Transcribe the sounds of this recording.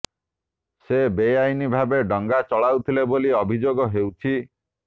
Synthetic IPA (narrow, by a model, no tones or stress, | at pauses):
sebejajnibʱabeɖɔŋɡat͡ʃɔɭawt̪ʰileboliɔbʱid͡ʒoɡɔɦewt͡ʃʰi